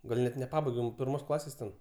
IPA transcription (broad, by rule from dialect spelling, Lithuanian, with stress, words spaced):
ɡɐlʲ ˈnʲɛt nʲɛˈpɑːbɐɪɡʲɛm pʲɪrˈmoːs ˈklˠɑːsʲeːs tʲɛn